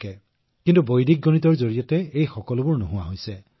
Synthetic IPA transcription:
kɛ | kintubojdik̚ɡonit̬ɔɹzoɹiɔtɛejxɔkɔlʊbʊɹnoɦʊwaɦojsɛ

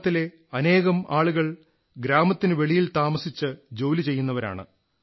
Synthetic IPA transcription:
t̪ːile̞ | ɐne̞ːɣɐmaːɭuɣɐɭ | ɡɾaːmɐt̪ːinɨʋe̞ɭijilt̪aːmɐsit͡ɕːɨd͡ʑo̞ːlit͡ɕe̞jːunːɐʋɐɾa̰ːɳɨ̰

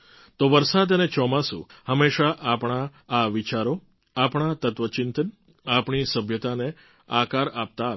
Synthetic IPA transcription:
t̪oʋəɾsad̪ənet͡ʃɔmãsṵ̃həmeʃaʔapɳ̃aːʋit͡ʃaɾo | apɳ̃at̪ət̪ʋət͡ʃɪnt̪ən | apɳisəbʱjət̪ane | akaɾap̚t̪a

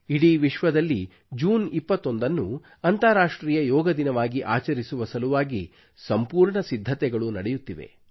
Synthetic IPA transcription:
iɽiʋiʃʋɐd̪ɐlːi | d͡ʒuːnipːɐt̪ːo̞nd̪ɐnːu | ɐnt̪ɐɾaːʂʈɾiːjɐjɔːɡɐd̪inɐʋaːɡiʔaːt͡ʃɐɾisuʋɐsɐluʋaːɡi | sɐmpuːɾɳɐsid̪ʱːɐt̪ɛɡɐɭunɐɽɛjut̪ːiʋḛ

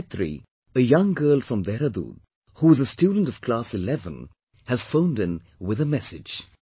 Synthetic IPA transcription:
t̪ʰɾḭ | əjʌ̃ŋɡɜːlˠfɹʌ̃md̪ɛɾəd̪ṵd | huɨzəstjudə̃n̩tʌv̥kʰl̥asɨlɛvə̰̃n | hɨz̥fõʊ̃ndɨ̃n | wɪðəmɛsɪ̥d͡ʒ̥

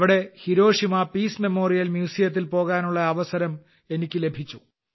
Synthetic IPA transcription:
ʋiɽe̞hiɾo̞ːʂimɐpiːsme̞mo̞ːrijɐlmjuːsijɐt̪̬ːilpo̞ːɣaːnuɭːɐɐʋɐsɐɾɐm | e̞nikʲːɨle̞bʱit͡ɕːu

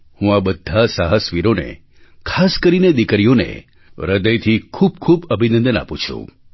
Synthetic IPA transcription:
hũabəd̪ʱːasaɦəsʋiɾonḛ | kʰaskəɾined̪ikɾijonḛ | ɾəd̪əjt̪ʰikʰub̚kʰubəbʱinənd̪əna̰pũt͡ʃʰṵ̃

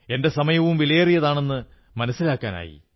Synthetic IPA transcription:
e̞nde̞sɐmɐjɐʋumʋilɐjrijɐðaːɳe̞nːɨ | mɐnɐsːilaːkːaːna̰ːjḭ

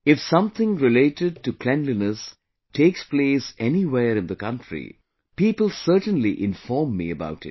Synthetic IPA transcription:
ɪfsʌ̃mt̪ʰɪ̃ŋɾɪleɪʈɪɖ̚ʈukʰlɛ̃nlinəs | tʰeːkspleːsɛniweːɾɨ̃nd̪əkʌ̃ntɾḭ | piːpəlˠsɜːʈə̃nliʔɪ̃nfɔːɹmːḭəba̰ʊʈɪ̰t̚

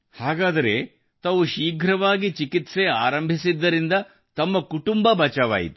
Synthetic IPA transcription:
haːɡaːd̪ɐɾe̞ | t̪ɐʋuʃiːɡʱɾɐʋaːɡit͡ʃikit̪se̞aːɾɐmbʱisid̪ːɐɾind̪ɐ | t̪ɐmːɐkuʈumbɐbɐt͡ʃaʋa̰ːjḭt̪u̥

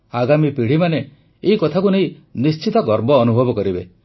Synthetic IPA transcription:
aɡamipiɽ̤imane | eikɔt̪ʰakuneĩnist͡ʃit̪ɔɡɔɾbɔːnubʱɔbɔkɔɾibe

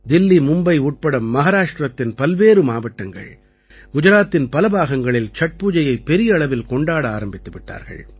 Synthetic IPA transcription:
d̪ɪlːimʊmbɐɪuːʈ̚pɐɽɐmːɐɣaːɾaːʂʈrɐt̪ːɪnpɐlʋeːɾɯmaːʋɐʈːɐŋɡɐ̰ɭ | ɡʊd͡ʒɐɾaːt̪ːɪnpɐlɐbaːɣɐŋɡɐɭɪlt͡ʃɐʈ̚puːd͡ʒɐjɐɪpːɛɾɪjɐɐɭɐʋɪlkɔɳɖaːɽɐaːɾɐmbɪt̪ːɯʋɪʈːa̰ːɾɣɐ̰ɭ

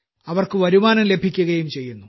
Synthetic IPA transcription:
ɐʋɐrkɨʋɐɾumaːnɐmle̞bʱikʲːuɣɐjumt͡ɕe̞jːunːu

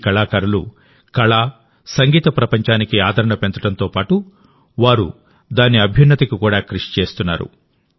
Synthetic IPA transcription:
kɐɭaːkɐɾulṵ | kɐɭaː | sɐŋɡiːt̪ɐpɾɐpɐɲt͡ʃaːnikiaːd̪ʱɐɾɐɳɐpent̪ɐɽɐnt̪o̞ːpaːʈu | ʋaːɾṵ | d̪aːnːiɐbʱjɐnːɐt̪ikikuːɽaːkɾuʂi̥t͡ʃe̞ːst̪unːa̰ːɾṵ

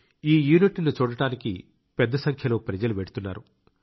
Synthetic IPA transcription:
iːjuːniʈinut͡ʃuːɽɐʈaːniki | pɛd̪ːɐsɐŋkʰjɐloːpɾɐd͡ʒɐluʋeɽut̪unːa̰ːɾu

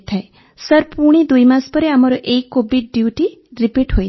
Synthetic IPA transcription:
t̪ʰae | səɾpuɽ̃id̪ujmaspəɾeamaɾɔʔeikːobiʈ̚ɖjuʈiɾipiʈɦoj

